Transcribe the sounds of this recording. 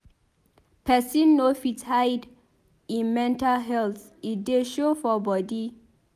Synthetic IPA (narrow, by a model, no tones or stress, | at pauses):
pʰɛsĩnːofithajd | ĩnmɛ̃ntalɦɛlt | it̚deʃofɔbɔdi